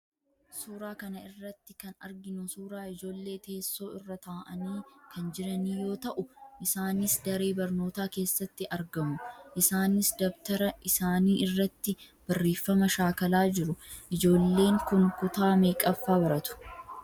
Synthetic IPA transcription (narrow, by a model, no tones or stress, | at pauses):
suːɾaːkɐnɐɪrːɐt̪ːɪkɐnɐ̰ɾɡɪnʊsuːɾaːɪd͡ʒo̞ːlːe̞ːt̪e̞ːsːo̞ːɪrːɐt̪aːʔɐniːkʰɐnd͡ʒɪɾɐniːjo̞ːt̪ɐʔʊʔɪsaːnɪsd̪ɐɾe̞ːbɐɾno̞ːt̪aːke̞ːsːɐt̪ːɪʔɐɾɡɐmʊʔɪsaːnɪsd̪ɐbt̪ɐɾɐʔɪsaːniːɪrːɐt̪ːɪb̥ɐrːe̞ːfːɐmɐʃaːkɐlaːd͡ʒɪɾʊʔɪd͡ʒo̞ːlːe̞ːŋkʊŋkʊt̪aːmeːkʼɐfːaːbɐɾɐt̪ʊ̥